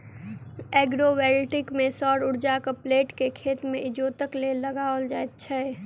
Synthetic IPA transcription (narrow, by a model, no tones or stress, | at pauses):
ɛːɡɾowɛːɾʈɪkmẽsɔːɾʊɾd͡ʒakəpleːʈkekʰeːt̪mẽʔɪd͡ʒoːt̪əkleləɡaold͡ʒaet̪t͡ʃʰɛ